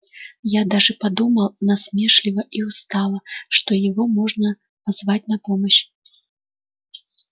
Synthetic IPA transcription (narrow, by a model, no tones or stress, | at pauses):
jad̪aʐɨpad̪umɐlˠnɐsʲmʲɛʂlʲivɐʔiwst̪alˠɐʂt̪ɔjaɣɔmɔʐnɐ | pazvat͡sʲnɐpɔmɐɕ